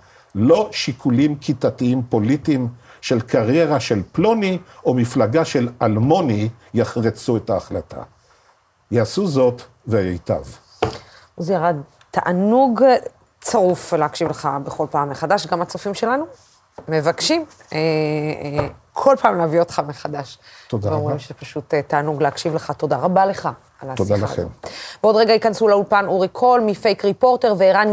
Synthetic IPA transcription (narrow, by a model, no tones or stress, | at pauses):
lo̞ʃikʰulimkʰitatiimpo̞litimʃe̞lkaʁje̞ʁaʃe̞lploniomiflaɡaʃe̞lalmo̞nijaχʁet͡suetaːχlatʰa̰ | jaasuzo̞t | vejejta̰v | uzjaʁad̪ | t̪aʔanuɡ | t͡saʁuflehakʃivleχabeχo̞lpaːmːeχadaʃɡamat͡sofimʃe̞lanu | me̞vakʃim | e | kʰo̞lpaːmleavio̞tχameχadaʃt̪od̪ʁoimʃepaʃut̪taanuɡleakʃivleχato̞daʁabale̞χa | laod̪alaḛmbeod̪ʁeɡaikansulaulpanuʁikʰo̞lmifejkʁipo̞ʁte̞ʁveeʁan